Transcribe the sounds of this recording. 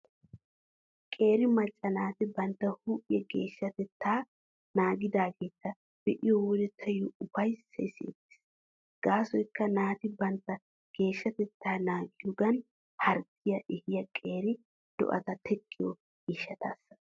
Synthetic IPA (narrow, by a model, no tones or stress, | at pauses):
kʼe̞ːɾɪmɐt͡ʃʼːɐnaːt̪ɪbɐnt̪ːɐhuːʔɪjɛɡeːʃːɐt̪ɛt̪ːaː | naːɡɪd̪aːɡe̞ːt̪ːɐ | b̥ɛʔɪjɔwɔd̪ɛt̪ʰɐjʊʊfɐjsːɛ̰sḛːt̪ːɪ̥s | ɡ̥aːsɔjkːɐnaːt̪ɪbɐnt̪ːɐ | ɡ̥e̞ːʃːɐt̪ɛt̪ːaːnaːɡɪjɔɡɐn | hɐɾkːɪjɐʔɪhɪjɐkʼe̞ːɾɪ | d̪̥ɔ̰ʔɐ̰t̪ɐt̪ʰɛkʼːɪjɔ | ɪʃːɐt̪ʰɐsːɐ̥